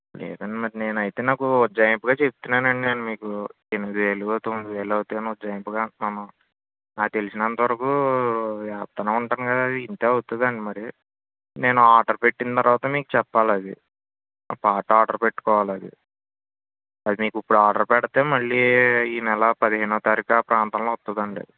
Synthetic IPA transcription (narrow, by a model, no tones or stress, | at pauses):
lɛ̰ːd̪ɐɳɖimɐɾine̞ːnɐjt̪e̞ːnaːkuod͡ʒɐjmpuɡaːt͡ʃe̞p̚t̪unːaːnɐɳɖine̞ːnumiːku | enimid̪iʋe̞ːlut̪omːid̪iʋe̞ːlɐwut̪eːnod͡ʒɐjɐmpuɡaːmɐnɐm | naːt̪e̞lisinɐnt̪ɐʋɐɾɐkuːʋjaːp̚t̪ɐnaːuɳʈaːnukɐd̪aːɐd̪iːnt̪e̞ːɐwut̪und̪ɐɳɖimɐɾi | ne̞ːnuaːɖɐɾpe̞ʈːint̪ɐɾʋaːt̪ɐmiːku̥t͡ʃɛpːaːlɐd̪ḭ | paːʈːaːɖɐɾpe̞ʈːu̥kɔːʋaːlɐd̪ḭ | ɐd̪imiːkipːuɽaːɖɐɾpɛɽɐt̪e̞ːmɐɭːiiːnɛlɐpɐd̪iɦeːnuɐt̪aɾikɐpɾaːnt̪aːnloɐt̪ːund̪ɐɳɖɐ̰d̪i